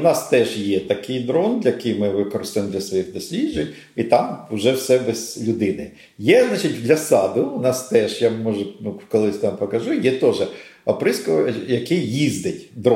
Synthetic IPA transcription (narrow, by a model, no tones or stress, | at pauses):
nɑst̪ɛʒjɛt̪ɐkɪjd̪ɾɔnd̪lʲɐkɪjmɪʋɪkɔɾɪst̪ɪmd̪lʲɐsʋɔjixd̪ɔsʲlʲiʒɪ | it̪ɑmʊʒɛwsɛbɛzlʲʊd̪ɪnɪ | jɛznɑt͡ʃitʲd̪ʲlʲɐsɑd̪ʊʊnɑst̪ɛʒjamɔʒɛnukɔlˠɪsʲt̪ɑmpɔkɐʒʊjɛt̪ɔʒɛ | ɐpɾɪskɔʋɔjɐkɪjizd̪ɪtʲd̪ɾ